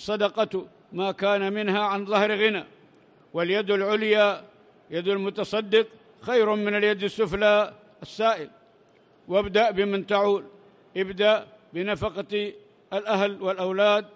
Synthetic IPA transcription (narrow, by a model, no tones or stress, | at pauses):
sˤɑd̪ɑqɑt̪ | maːkaːnamɪnhaʕanðˤɑhɾɣɪna | wɪljad̪alʕʊlja | jad̪almʊt̪ɑsˤɑd̪ːɪq | xajɾʊmɪnaljad̪ɪsːʊfla | asːaːʔɪl | wabd̪aʔbɪmant̪aʕuːl | ʔɪbd̪aʔ | bɪnafɑqɑ | alʔahlwɪlʔawlaːd̪̚